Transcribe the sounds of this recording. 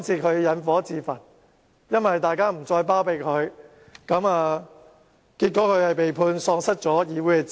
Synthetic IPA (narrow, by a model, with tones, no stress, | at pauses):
nt͡sʰiː˧kʰɵ˨˧ɥjɐ˨˥nfɔː˨˥t͡siː˨˧fɐ˨˩n̚ | jɐ˥nwɐ˨jt̪aː˨jkaː˥m̩˨˩t͡sɔː˧jpaː˥wpe˧jkʰɵ˨˧ɥ | kɐ˨˥maː˧ | kiː˧t̚kʷːɔː˨˥kʰɵ˨˧ɥhɐ˨jpe˨jpʰuː˧nsɔː˧ŋsɐ˥t̚t͡sɔː˨˥jiː˨˧wuː˨˥jɛ˧t͡s